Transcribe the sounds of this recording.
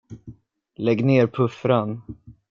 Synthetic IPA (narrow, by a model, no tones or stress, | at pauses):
lɛɡneːɾpʰɵfɾan